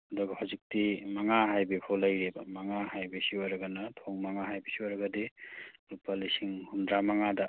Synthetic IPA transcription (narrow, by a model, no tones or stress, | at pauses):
hɐdɔɡɐhawzik̚timaŋaɦajbekʰolɐjɾebɐmaŋahajbesiwaɾɐɡanɐtʰoŋmaŋaɦajbisiwaɾɐɡadilupːalisiŋhundɾamaŋadɐ